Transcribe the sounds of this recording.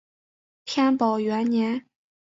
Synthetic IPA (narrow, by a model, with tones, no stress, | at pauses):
pʰjɛ˥npɑ˨˩ʊɥɛ˧˥nnjɛ˧˥n